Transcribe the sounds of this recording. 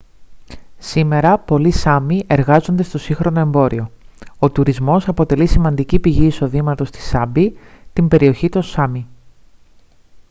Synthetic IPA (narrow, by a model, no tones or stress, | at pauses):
sime̞ɾɐpo̞lisɐmiʔe̞ɾɣɐzo̞nd̪e̞st̪o̞siŋxɾo̞no̞e̞mbo̞ɾio̞ot̪uɾizmo̞sɐpo̞t̪e̞lisimɐnd̪icipiʝiːso̞ðimɐt̪o̞st̪i̥sɐbit̪imbe̞ɾio̞çit̪o̞sɐmi